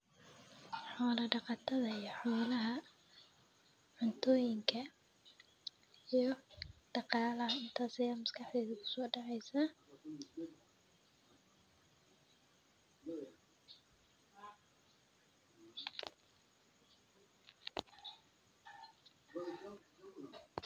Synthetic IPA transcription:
ħɔːlɐɖɑqɑt̪ʰɐðɐijɔħɔːlɐɦɐ | ʕʊnt̪ʰɔːjɪŋkʰɐ | ijɞd̪̥ɑqɑːlɐɦɐɪnt̪ʰaːsɐjaːmʊskʰɑħd̪ɛːðʊkʰʊ̥sɔːɖɑʕɛjsaː

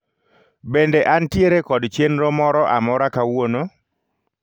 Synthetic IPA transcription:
bendeʔantjeɾekɔdt͡ʃenɾɔmɔɾɔʔamɔɾakawono

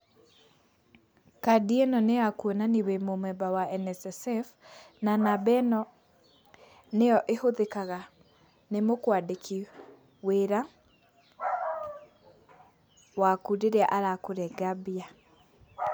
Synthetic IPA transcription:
kadiɛnɔneakuɔnaniwemomwɛbawaʔɛnɛsɛsɛf | nanabɛnɔ | nejɔʔehoðekaɣa | nemokwadekʰi | weɾa | wakuɾeɾeaʔaɾakoɾɛɡabia

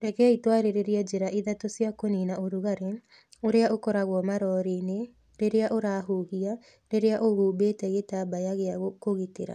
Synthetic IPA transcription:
ɾɛkɛitwaɾeɾeɾiad͡ʑeɾaʔiðatosjakoninaoɾuɣaɾe | oɾeaʔokɔɾaɣwɔmaɾɔɾine | ɾeɾeaʔoɾaːɦuːhia | ɾeɾeaʔoɣuːbeːtɛɣetabajaɣeaɣokoɣiteɾa̰

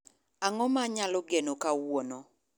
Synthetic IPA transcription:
aŋɔmaɲalɔɡenokawonɔ

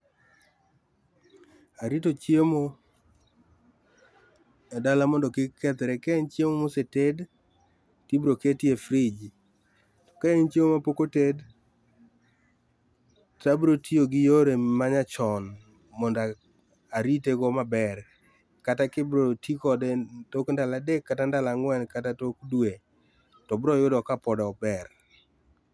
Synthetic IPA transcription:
aɾitot͡ʃjemo | dalamɔndɔkɪkːɛt̪ɾekɛnt͡ʃjemomoseted | tibɾoketjefɾɪd͡ʒ | tɔ̥kaɛnt͡ʃjemomapokoted | tabɾotʰioɡɪjoɾemaɲat͡ʃɔn | mɔnda | aɾiteɡɔmabɛr | katakɪbɾotʰikɔdtokndaladekːatandalaŋwɛnkatatokdwe | tɔbɾɔjʊdɔkapɔdaɔbɛɾ

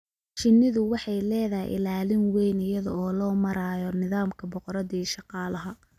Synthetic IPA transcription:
t͡ʃɪnːɪðʊwɑħɑjlɛːðɐɦɪ̰jʔɪ̰laːlɪnwɛjnɪjɐðɐɔːlɔːmɐɾaːjɔnɪðaːmkʰɐbɔqɔɾɐðɐiːʃɑqɑːlɐɦɐ

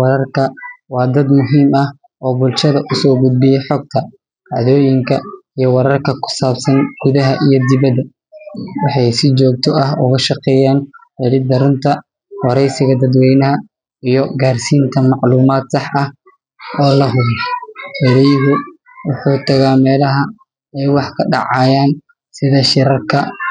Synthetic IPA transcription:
wɐɾɐrkʰɐwɑːd̪ɐd̪mʊɦiːmɐh | ʔɔːbʊlʃɐðɐʔʊsɔːɡʊd̪̚bɪjɛħɔːɡ̚t̪ʰɐ | ɡɑʕðɔːjɪŋkʰɐijɞwɐɾɐrkʰɐkʰʊ̥saːbsɐnɡ̥ʊðɐɦɐʔijɔd̪ɪβɐd̪ɐ | wɑħɑjsɪt͡ʃɔːɡ̚t̪ʰɔɐɦʊɣɐʃɑqɛːjaːnħɛlɪd̪ɐɾʊnt̪ʰɐ | wɑɾɛjsɪɣɐd̪ɐd̪wɛjnɐɦɐ | ijɔɡaːrsiːnt̪ʰɐmɑʕluːmaːd̪sɑħʔɐh | ɔːlɐɦʊβɐhɛɾɛjɦʊ | wʊħuːt̪ʰɐɣaːmɛːlɐɦɐ | ɛjwɑħkʰɐɖɑ̰ʕɑːjaːn | sɪðɐʃɪɾɐrkʰɐ

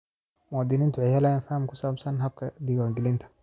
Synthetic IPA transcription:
mɔd̪ɪnɪnt̪ʊʕɪhalajnfahmkʊsabsɐnɦɐb̚kʰɐd̪iɡwaŋɡɪlɪnt̪ʰḁ

